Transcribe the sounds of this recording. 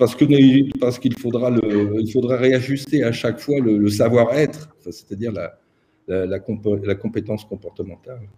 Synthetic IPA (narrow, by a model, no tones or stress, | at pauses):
paʁsə̥kənet̪paʁsə̥kilfod̪ʁaləilfod̪ʁaʁeaʒyst̪eaʃakfwalələsavwaʁɛt̪χfɛse̥t̪ad̪iʁla | lalakɔ̃plakɔ̃pet̪ɑ̃skɔ̃pɔʁt̪əmɑ̃t̪al